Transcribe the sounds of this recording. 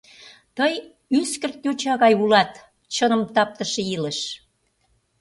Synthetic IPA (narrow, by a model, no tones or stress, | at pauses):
t̪əj | yskə̆rt̪jot͡ɕɑɣɑjulɑt̪ | t͡ɕənə̆mt̪ɑp̚t̪əʃeiləʃ